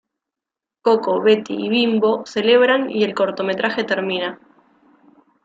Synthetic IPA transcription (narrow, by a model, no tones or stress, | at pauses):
koko̞βe̞t̪ḭiβimbo̞se̞le̞β̞ɾanḭe̞lko̞ɾt̪o̞me̞t̪ɾʔaxe̞t̪eɾmĩna